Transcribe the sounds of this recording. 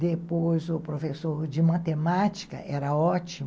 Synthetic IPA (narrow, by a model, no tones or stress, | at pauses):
d̪epojzʊpɾofesoɾd͡ʒɪmat̪emat͡ʃi̥kɐ̰ʔɛɾɐɔt͡ʃi